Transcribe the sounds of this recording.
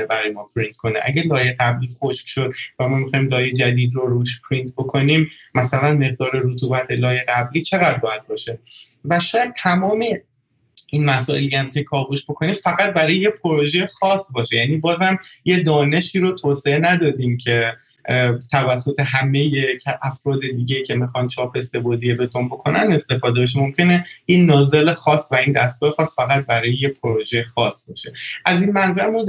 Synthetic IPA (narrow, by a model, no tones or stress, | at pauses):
ebæɾɒːjemɒːpʰɾint̪̚ʰkʰo̞nḛʔæ̰ɟælɒːjeɣæbliːxoʃkʃo̞d̪væmɒːmixɒːjmlɒːjed͡ʒæd̪iːd̪ɾoɾuːʃpʰɾint̪ʰbo̞kʰo̞nimmæsælænme̞ɣ̚d̪ɒːɾeɾot̪ʰuːbæt̪ʰe̞lɒːje̞ɣæbliːt͡ʃʰe̞ɣæd̪̚bɒːjæd̪̥̚bɒːʃe | væʃɒːjæd̪̥̚t̪ʰæmɒːme | inmæsɒːʔe̞lijæmcʰe̞kʰɒːɣoʃbo̞kʰo̞niːmfæɣæt̪̚bæɾɒːjejepʰoɾoʒejexɒːsbɒːʃejæniːbɒːzhæmje̞d̪ɒːne̞ʃiːɾot̪ʰoːseenæd̪ɒːd̪iːmcʰe̞ | t̪ʰævæsːot̪ʰeɦæme̞jecʰʔæfɾɒːd̪e̞d̪iːɟeicʰe̞mixɒnt͡ʃʰɒːpʰe̞se̞bod̪ijebe̞t̪ʰombo̞kʰo̞næne̞st̪e̞fɒːd̪e̞beʃ̬emo̞mcʰe̞ne̞inːɒːze̞lexɒːsːvæind̪æst̪ɡɒːɾexɒːsfæɣæt̪̚bæɾɒːjejepʰoɾoʒexɒsbɒːʃe̞ʔæzinmænzæɾmu